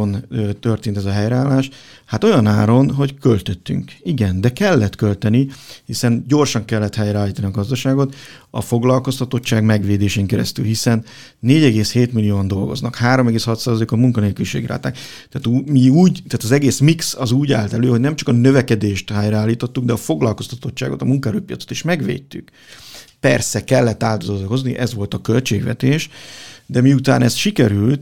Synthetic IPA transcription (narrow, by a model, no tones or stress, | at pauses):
nt̪ørt̪eːnt̪ɛzɒɦɛjɾɛaːlːaːʃ | hat̪o̞jɒnaːɾo̞nɦo̞ckølt̪øt̪ːy̰ŋkiɡɛnd̪ɛkɛlːɛt̪kølt̪ɛnihisɛnɟo̞rʃɒŋkɛlːɛt̪hɛjɾɛaːliːt̪ɒniɒɡɒzd̪ɒʃaːɡo̞t̪ | ɒ̰fo̞ɡlɒlko̞st̪ɒt̪o̞t͡ʃːaːɡmɛɡʋeːd̪eːʃeːŋkɛɾɛ̰st̪ylɦisɛnː | eːɟɛɡeːsheːt̪milːijoːnd̪o̞lɡo̞̰znɒkhaːɾo̞mɛɡeːshɒt̪saːzɒlekomuŋkɒneːlkyliʃḛːɡlʔa̰ːt̪a̰ːk | t̪ɛaːt̪umiuːɟt̪aːt̪ɒzɛɡeːsmiksɒzuːɟa̰ːlt̪ɛløːho̞ɟnɛmt͡ʃɒ̥kɒnøvɛkɛd̪eːʃt̪haːjraːlːiːt̪ot̪ːuɡd̪ɛɒfo̞ɡlɒlko̞st̪ɒt̪o̞t͡ʃːa̰ːɡo̞̰t̪ɒmuŋkɔɛɾøːpijɒ̰t̪so̥t̪iʃmɛɡʋḛːtt̪ːyk | pɛrsɛkɛlːɛt̪ːaːt̪ozɒzko̞zniʔɛzʋo̞lt̪ɒkø̞lt͡ʃeːɡʋɛ̰t̪eːʃd̪ɛmiut̪a̰ːnɛsʃikɛɾylt̪